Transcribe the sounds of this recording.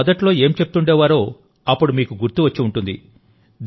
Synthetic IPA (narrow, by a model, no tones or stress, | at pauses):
ɐd̪ɐʈlo̞ːe̞ːmt͡ʃe̞pu̥t̪uɳɖeːʋaːɾo̞ː | ɐpːuɽumiːkuɡuɾt̪uʋɐt͡ʃːiuɳʈund̪ḭ | d̪